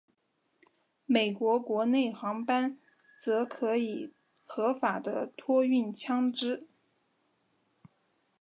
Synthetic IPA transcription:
me˨˩ɪkwɔ˧˥kwɔ˧˥ne˥˩ɪxɑ˧˥ŋpa˥n | t͡sɤ˧˥kʰɤ˧˥i˨˩ | xɤ˧˥fa˨˩d̪ə˦t̪ʰwɔ˥y˥˩nt͡ɕʰjɑ˥ŋʈ͡ʂɻ̩˥

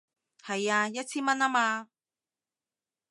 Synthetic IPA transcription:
hɐ˨jaː˧jɐ˥t̚t͡sʰiː˥nmɐ˥naː˥maː˧

